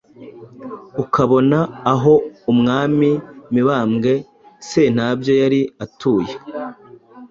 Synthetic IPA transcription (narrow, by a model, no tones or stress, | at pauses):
ukaβo̞naːɦo̞umŋaːmimiβaːmɡe̞ | sen̥abjo̞jaɾiatuːje